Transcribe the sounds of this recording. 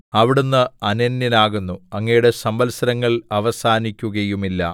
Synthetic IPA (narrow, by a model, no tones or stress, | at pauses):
ɐʋiɽunːɨɐnɐnːinaːɣunːuɐŋːɐjuɽe̞sɐmbɐlsɐɾɐŋːɐɭɐʋɐsaːnikʲːuɣɐjumilːɐ̰